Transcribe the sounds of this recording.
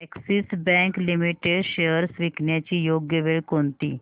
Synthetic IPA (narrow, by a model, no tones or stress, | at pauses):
eksisbɛ̃ŋklimiʈeɖɕejəɾsʋikɳjat͡ɕiːjoɡjəʋeɭkont̪ḭː